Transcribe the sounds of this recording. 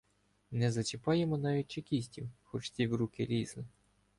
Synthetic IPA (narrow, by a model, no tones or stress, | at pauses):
nɛzɐt͡ʃɪpɑjemɔnɑʋʲit̚ʲt͡ʃekʲisʲtʲiwxɔt͡ʃt̪ʲiwɾukɪɾʲizlˠɪ